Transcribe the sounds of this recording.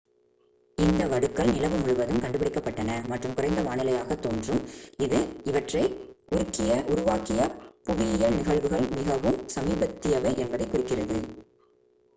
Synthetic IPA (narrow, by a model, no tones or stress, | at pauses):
ɪnd̪ɐʋɐɽɯkːɐɭnɪlɐʋɯmʊɻʊʋɐðɯmkɐɳɖɯp̬ɪɽɪkːɐpːɐʈːɐnɐmɐʈrɯmkʊrɐɪnd̪ɐʋaːnɪlɐjaːɣɐt̪ːoːndrɯmɪðɯɪʋɐʈrɐɪ | ʔʊɾʊkːɪjɐʔʊɾʊʋaːkɪjɐpʊʋɪjɪjɐɻnɪɣɐɭʋɯɣɐɭmɪɣɐʋɯmsɐmiːbɐt̪ːɪjɐʋɐɪʔɛnbɐðɐɪkːʊrɪkːɪrɐðɯ